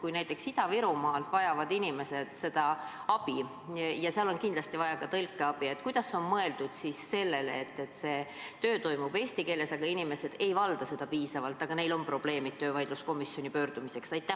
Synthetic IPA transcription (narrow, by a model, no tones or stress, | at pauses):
kujnæjt̪ːˑe̞ksid̪̥ɑviɾumɑːlt̪vɑjɑvɑd̪inime̞se̞d̪̥se̞d̪̥ɑɑb̥i | jɑseɑlo̞nkind̪lɑst̪ivɑjɑkɑt̪ɤlʲkːˑe̞ɑb̥ie̞t̪ːˑkujd̪̥ɑsːo̞nmɤe̞ld̪̥ud̪̥sisːe̞lːe̞leːt̪ːe̞t̪ːse̞ː | t̪øːt̪o̞jmub̥e̞ːsʲt̪ike̞ːle̞sɑɡ̥ɑinime̞se̞d̪e̞jvɑld̪̥ɑse̞d̪ɑpiːsɑvɑlt̪ːˑɑɡ̥ɑne̞jlo̞mpro̞b̥le̞ːmit̪̚t̪ːøːvɑjd̪̥lusko̞misːjo̞nʲipø̞ːɾd̪̥umise̞ksɑjt̪ːˑæ